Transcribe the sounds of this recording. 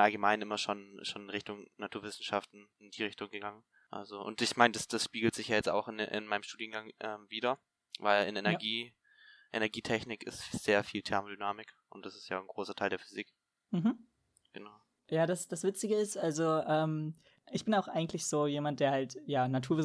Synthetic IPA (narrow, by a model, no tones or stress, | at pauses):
ʔalɡəmaɪnɪmɐʃonʃoːnnʁɪçtʊŋnatʰuːɐvɪsn̩ʃaftn̩ɪndiːʁɪçtʊŋɡəɡaŋən | ʔa̰lzoʔʊ̰ntɪçmaɪnəd̥asd̥asʃpiːɡl̩tz̥ɪçjaːjɛt͡sta̰ʊxɪnɪ̰nmaɪnəmʃtuːdiənɡaŋʔɛːmviːdɐ | vaɪlɪ̰nenɛɐɡiː | ʔʔḛnɛɐɡiːtʰɛçnɪkɪ̰stz̥eːɐfiːltʰɛɐmodynaːmɪkʔʊntd̥asɪstja̰ːnɡʁoːsɐtʰaɪldeːɐfyzik | m̩ɦm̩ | ɡ̥ənaʊ | jaːdasd̥asv̥ɪt͡sɪɡəɪstʔalzoʔɛːm | ʔɪçb̥ɪnaʊxʔa̰ɪɡŋ̩tlɪçz̥oːjeːmant̚d̥eːɐhaltjaːnatʰuːɐvɪ